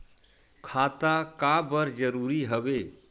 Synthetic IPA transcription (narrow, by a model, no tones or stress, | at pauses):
kʰat̪akabəɾd͡ʒəɾuɾiɦəbe